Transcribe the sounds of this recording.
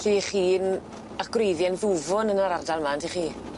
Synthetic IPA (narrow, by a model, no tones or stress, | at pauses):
ɬiːχiːn | aɡ̥rejðjɛnðuvʊnənaɾardalˠmantʰiχiː